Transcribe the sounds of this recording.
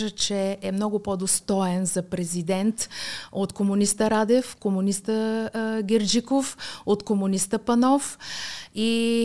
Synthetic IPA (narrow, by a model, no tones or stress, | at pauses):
ʒət͡ʃɛɛmnɔɡʊpod̪ost̪ɔɛnzɐpɾɛzid̪ɛnt̪ot̪komʊnist̪əɾad̪ɛfkomʊnist̪əɡʲɛɾd͡ʒikofot̪komʊnist̪əpɐnɔf | i